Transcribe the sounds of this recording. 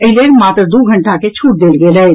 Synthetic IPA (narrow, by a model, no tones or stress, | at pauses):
əɦɪleɾmaːt̪ɾəd̪uːɡʱə̃ɳʈaket͡ʃʰuːʈ̚d̪eːlɡeːlə